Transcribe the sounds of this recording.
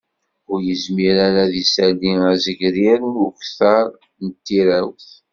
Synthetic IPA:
ʊɾjəzmiɾaɾæðisæliæzəʝɾiɾʊçθɑɾˤ | nət̪ːiɾæwθ

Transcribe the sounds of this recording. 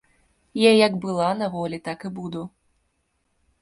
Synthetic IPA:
jajɐɡbɨlˠanavɔlʲit̪akɨbud̪u

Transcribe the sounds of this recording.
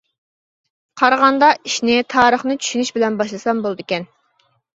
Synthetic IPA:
qʰɑɾʁɑnd̪ɑiʃnɪt̪ʰɑːɾəχnɨt͡ʃʰy̥ʃynyʃbɪlɛnbɑʃlˠɨsɑmbolˠd̪ɪkʲɛn

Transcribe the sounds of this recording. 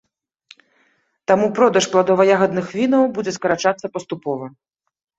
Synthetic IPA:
t̪amupɾɔd̪ɐʂplˠad̪ɔvɐjaɣɐd̪nɨxvʲinɐwbud͡zʲɛskɐɾat͡ʂat̪sːɐpɐst̪upɔvɐ

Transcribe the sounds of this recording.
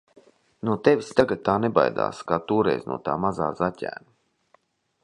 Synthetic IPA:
nut̪evʲist̪aɡad̪̚t̪aːneba̰jd̪a̰ːskaːt̪uːɾɛ̰jznṵɔt̪aːmaza̰ːzacʲæ̰ːna

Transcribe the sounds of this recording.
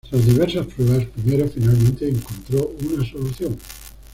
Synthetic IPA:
lazðiβɛɾsaspɾɛβaspɾimeɾofinalmẽnt̪eːŋkont̪ɾounasoluθjoŋ

